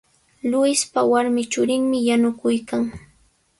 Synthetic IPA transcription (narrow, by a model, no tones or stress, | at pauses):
lʊjɪspawaɾmɪt͡ʃʊɾɪŋmɪjanʊkʊjkaŋ